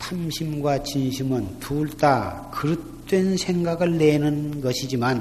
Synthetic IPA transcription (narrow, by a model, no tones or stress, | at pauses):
tʰamɕʰimɡwat͡ɕinɕʰimɯntuɭt͈akɯɾɯ | t͈wensʰeŋɡaɡɯɭːe̞nɯnɡʌɕʰid͡ʑiman